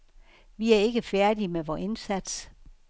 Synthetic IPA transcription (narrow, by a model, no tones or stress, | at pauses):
ʋiæɐe̝ɡ̥əfæɐd̥imeʋɒːe̝nsæd̥s